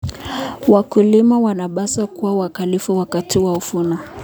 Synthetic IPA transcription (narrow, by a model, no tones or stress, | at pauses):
wakulimawanaɓasakuwawakalifuwakatiwaufuna